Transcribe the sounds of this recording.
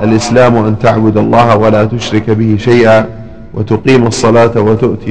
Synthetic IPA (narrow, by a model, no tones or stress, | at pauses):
ʔalʔɪslaːmʔant̪aʕbʊd̪ɑlˤːɑːhawalaːt̪ʊʃɾɪkbɪhɪʃajʔaː | wʔat̪ʊqiːmɑsˤːɑlaːt̪wat̪ʊʔt̪ɪ